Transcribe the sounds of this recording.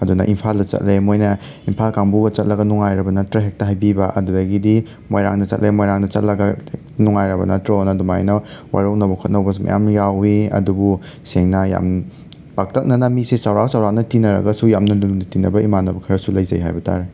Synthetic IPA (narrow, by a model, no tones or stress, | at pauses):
ɐdunɐ̰ʔimpʰaldɐt͡ʃɐ̰t̚lemojnɐ | impʰalkaŋbuɡɐt͡ʃɐt̚lɐɡɐnuŋajɾɐbɐnɐtɾɐɦek̚tɐɦajbibɐʔɐ̰dudɐɡidi | mojɾa̰ŋdɐt͡ʃɐ̰tlejmojɾaŋdɐt͡ʃɐt̚lɐɡɐ | nuŋajɾɐbɐnɐtɾɐɔnɐdumajnɐwa̰ɾɐwnɐbɐkʰut̚nɐwbɐsmɐ̰ja̰mjawiɐ̰dubu | seŋnɐja̰m | bak̚tɐk̚nɐnɐmisesawɾaksawɾak̚nɐtinɐɾɐ̰ɡɐsujamnɐlulundɐtinɐbɐimanɐbɐkʰɐɾɐsulɐjzɐ̰jɦa̰jbɐtʰa̰ɾe